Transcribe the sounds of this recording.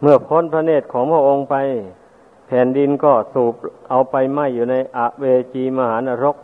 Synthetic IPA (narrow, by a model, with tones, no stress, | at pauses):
mɯ˥˩ɐpʰo˦˥˨npʰɾa˧neː˥˩t̪̚kʰɔː˩˦ŋpʰu˧˩ʔo˧ŋpa˧j | pʰɛː˩˦ndi˧nkɔː˥˩suː˨˩p̚ʔa˧wpa˧jma˧˩jːuː˨˩na˧jʔa˨˩ʔweː˧t͡ɕiː˧maː˧haː˩˦˥naː˧ɾo˦˥˩k̚